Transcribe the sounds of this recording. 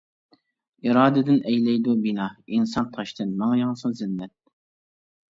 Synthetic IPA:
iɾɑːd̪ɨd̪ɪnɛjlɛjd̪ubinɑinsɑnt̪ʰɑʃt̪ʰɨnmɑŋjɑŋsɨzɪnːɛt̪̚

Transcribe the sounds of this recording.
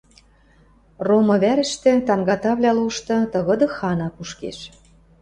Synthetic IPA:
romɤ̆βæɾɘ̆ʃt̪ĕt̪ɑŋɡɑt̪ɑβlʲɑluʃt̪ɤ̆t̪ɤ̆ɣɤ̆d̪ɤ̆xɑnɑkuʃkḛʃ

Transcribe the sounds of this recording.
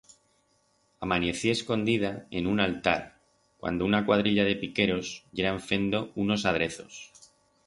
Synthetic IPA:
amane̞θie̞sko̞nd̪iðae̞nunalt̪a̰ɾ | kwa̰nd̪ounakwað̞ɾiʎaðe̞pike̞ɾo̞sʝe̞ɾaɱfe̞nd̪o̞uno̞sað̞ɾe̞θo̞̰s

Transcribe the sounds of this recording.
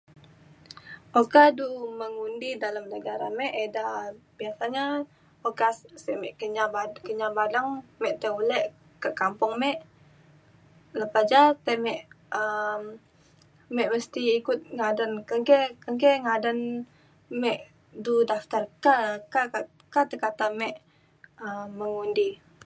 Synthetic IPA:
okaduməŋundidaləmnəɡaɾa̰mɛʔedabiasaɲa | okassəʔmɛʔkəɲabakəɲabadəŋmɛʔt̪əulɛʔ | kaʔkampʊŋmɛʔ | ləpad͡ʒat̪əmɛʔ | əm | mɛʔməst̪iːkʊt̪̚ŋadənkəŋkɛkəŋkɛŋadən | mɛʔ | dudaft̪arkakaa | kat̪əkat̪amɛʔ | əməŋundi

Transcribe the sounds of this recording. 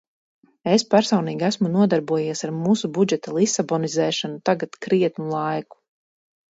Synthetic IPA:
espæɾsɔwniːɡʲæsmunuɔd̪aɾbuɔjiɛsaɾmuːsubud͡ʒɛt̪alˠisabɔnizɛːʃanut̪aɡat̪kɾiɛt̪nulˠɑjku̥

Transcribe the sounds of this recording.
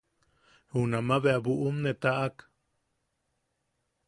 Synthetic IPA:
hunamaβeʔabuʔumnet̪aʔak

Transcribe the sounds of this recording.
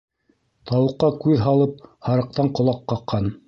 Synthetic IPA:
t̪ɑwɤ̆qːɑkʉðɦɑlˠɤp̚hɑɾɤ̆q̚t̪ɑɴqŏlˠɑqːɑqʰːɑn

